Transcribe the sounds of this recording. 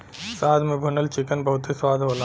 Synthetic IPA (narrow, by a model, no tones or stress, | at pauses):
saːd̪ʱmẽbʱʊnəlt͡ʃɪkənbɐɦʊt̪eswaːd̪ʱɦoːla